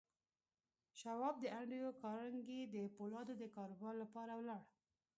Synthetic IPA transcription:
ʃawɑb̚d̪əʔaɳɖijokɑɾəŋɡed̪əpolɑd̪od̪əkɑɾowɑllapɑɾawlɑɽ

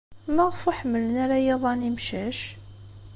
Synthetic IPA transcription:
mæʁəfuħəmːələnæɾajeðˤɑnimʃæʃ

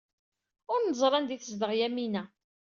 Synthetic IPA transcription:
ʊɾnəzˤɾˤɑnd̪iθəzd̪əʁjæminæ

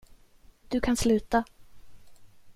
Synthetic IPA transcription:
d̪̥ɵkʰanslʉ̟ːt̪a

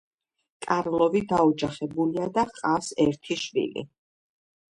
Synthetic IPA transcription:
kʼaɾlˠɔvid̪aɔd͡ʒaχɛbuliad̪aqʼasɛɾt̪ʰiʃvḭlḭ

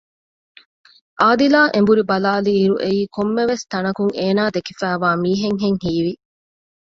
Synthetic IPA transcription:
ʔaːd̪ilaːʔembuɾibɐlaːliːɾuʔeiːkomːeʋest̪ɐnɐkuŋeːnaːd̪ekifæːʋaːmiːɦeŋɦeŋhiːʋi

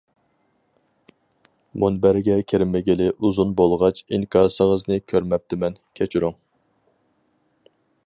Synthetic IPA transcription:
munbæɾɡʲɛkʲʰeɾɪmɪɡʲɪlɪʔuzunbolˠʁɑt͡ʃiŋkʲʰɑːsəʁəznɨkʲʰøɾmɛp̚t̪ʰɪmɛnkʲʰɛt͡ʃʰyɾuŋ

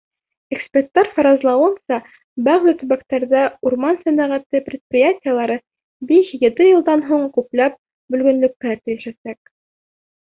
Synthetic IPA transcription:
ekspʲert̪ːɑɾfɑɾɑzlˠɑwɤnsɑ | bæʁlɘt̪ɵ̆βækt̪æɾðæuɾmɑnsæmæʁæt̪ɘpɾʲɪt̪̚prʲɪjatʲɪjəlˠɑɾɤ | biʃɡɘ̆d̪ɘjɤ̆lˠd̪ɑnɦuɴkʉplæp̚ | bɵ̆lɡɵ̆nlɵ̆k̚k̪ːæɾt̪ɘ̆jɘ̆ʃæsæk̚

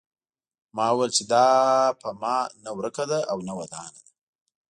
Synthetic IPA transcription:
mɑwejlt͡ʃed̪ɑpəmɑnawɾəkad̪aawnawad̪ɑnad̪a

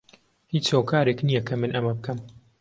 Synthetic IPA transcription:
hiːt͡ʃhoːkʰaːɾeknijɐkʰɐmɨnʔɐmɐbɨkʰɐm

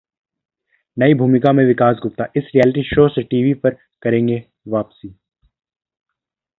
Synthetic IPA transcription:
nɐibʱuːmɪkamẽʋɪkaːsɡʱʊp̚t̪aʔɪsɾijɛːlɪʈiʃoːseʈiːʋipɐɾ | kɐɾẽːŋɡe | ʋaːpsiː

